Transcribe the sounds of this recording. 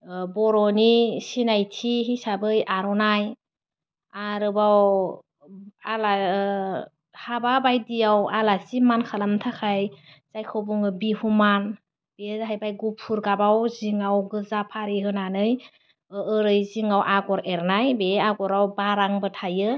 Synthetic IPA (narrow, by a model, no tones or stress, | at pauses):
bɔɾɔnisinajtʰiɦisabɯjaɾɔnaj | aɾɯbaw | ala | hababajdijawalasimankʰalamtʰakʰaj | z̥ajkʰɯwbuŋɯbihuman | b̥ezɦajbajɡupʰuɾɡabawziŋawɡɯzapʰaɾiɦɯnanɯj | ɯɾɯjziŋawʔaɡɔɾeɾnajbeaɡɔɾawbaɾaŋbɯtʰajɯ